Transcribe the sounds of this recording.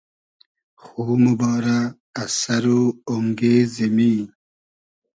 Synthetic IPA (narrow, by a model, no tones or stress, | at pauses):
xuːmubɑːɾaː | sɐɾuoŋɡeːzemi